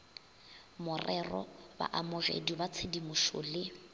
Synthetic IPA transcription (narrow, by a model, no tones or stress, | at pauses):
mʊrɛrɔba̰ʔamʊɣḛdibat͡sʰedimʊʃo̰lɪ